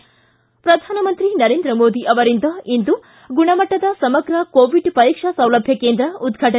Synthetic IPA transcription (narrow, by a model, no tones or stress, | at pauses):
pɾɐd̪ʱaːnɐmɐnt̪ɾinɐɾeːnd̪ɾɐmoːd̪iʔɐʋɐɾind̪ɐind̪u | ɡuɳɐmɐʈːɐd̪ɐsɐmɐɡɾɐkoːʋiɖpɐɾiːkʂɐsɐ̃w̃lɐbʱjɐkeːnd̪ɾɐud̪ɡʱɐʈɐ